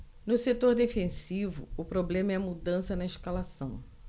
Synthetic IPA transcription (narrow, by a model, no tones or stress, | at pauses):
nʊset̪oɾd̪efẽsivʊ̰ʊpɾoblẽmɐɛmud̪ɐ̃sɐnɐiʃkalasɐ̃w̃